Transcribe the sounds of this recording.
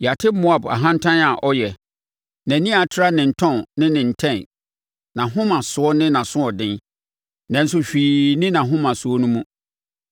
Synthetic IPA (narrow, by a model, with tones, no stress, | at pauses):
ja˨tʰɪ˦mʊ˨˦a˨ba̰˨ɦã˦n̩˦tʰã˦na˨ʔɔ˦jɛ˨ | næ̃˨nĩ˦a˨tʰɪ˦ɾa˦nɪ̃˨n̩˨tʰɔ̃˦˨nnɪ̃˦nɪ̃˨n̩˨tʰɛ̃˦˨n˨ | nã˨ɦʊ̃˦mã˨sʊ˨˦ɔ˦nɪ̃˦nã˨sʊ̃˦ɔ˨dɪ̃˦n | nã˨n̩˦s̬ʊ˦ɕᶣiː˨nɪ̃˦nã˨ɦʊ̃˦mã˨sʊ˨ɔ˦nũ˦mũ˦